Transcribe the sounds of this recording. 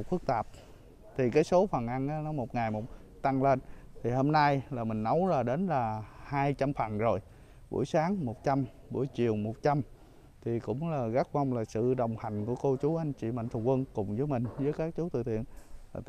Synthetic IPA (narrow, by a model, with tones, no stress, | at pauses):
fɨ˦˥k̚t̪aː˨˩p̚ | t̪ʰi˨˩kaː˨˦jso˨˦fə˨˩nʔa˧nʔaː˨˦nɔ˨˦mo˨˩t̚ŋa˨˩jmo˨˩t̚ | t̪a˧ŋle˧n | t̪ʰi˨˩ho˧mna˧jlaː˨˩mï˨˩ŋ̟nə˨˦wlaː˨˩ɗe˨˦nlaː˨˩haː˧jt͡ɕa˧mfə˨˩nzo˨˩j | ɓṵ˧˩əjsaː˨˦ŋmo˨˩t̚t͡ɕa˧m | ɓṵ˧˩jt͡ɕi˨˩əwmo˨˩t̚t͡ɕa˧m | t̪ʰi˨˩kʊ̰˧˥ŋ͡mlaː˨˩ɣa˦˥k̚va˧wŋ͡mlaː˨˩sɨ̰˧˨ɗə˨˩wŋ͡mha˨˩jŋ̟ku˧˩əko˧t͡ɕu˨˦ʔa˧jŋ̟t͡ɕḭ˧˨ma̰˧˨n̟t̪ʰŋ͡mkwə˧nkʊ˨˩ŋ͡mzəː˨˦jmï˨˩ŋ̟zəː˨˦jkaː˦˥k̚t͡ɕu˨˦t̪ɨ̰˧˨t̪ʰḭ˧˨ənː˨˩